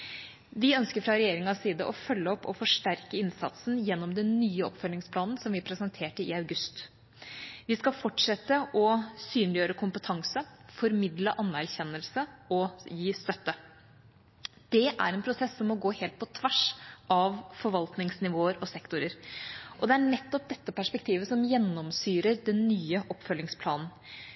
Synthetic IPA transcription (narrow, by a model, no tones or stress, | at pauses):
ʋɪœnskəɾfɾɑɾɛjeːɾɪŋɑsiːd̪əʔɔfœlːəɔpːɔfɔʂʈæɾkəɪnsɑ̰t̪snjɛnːɔmd̪ɛnnyːəɔ̰pfœlnɪŋspʰlɑːnnsɔmʋɪpʰɾɛsənt̪ʰeːʈəɪɑʉɡʉst̪ | ʋɪskɑfɔʈʂɛt̪ːəʔɔsyːnlɪjøːɾəkʰʊmpət̪ʰɑŋsəfɔɾmɪd̪ləʔɑnːæɾçɛnːəlsəɔjiːst̪œt̪ːə | d̪̥ɛʔæ̰ɾɛnpʰɾʊsɛsːɔmːɔɡoːheːlt̪̚pʰɔt̪ʰʋæʂʔɑʋfɔɾʋɑlt̪nɪŋsnɪʋoːəɾɔsɛkt̪ʊɾəɾʔɔd̪ɛæɳɛt̪ːɔp̚d̪ɛt̪ːəpæʂpɛk̚t̪ʰiːʋəsɔmjɛnːɔmsyːɾəɾd̪ɛnːyːəʔɔpːfœlːɪŋspʰlɑːnn̩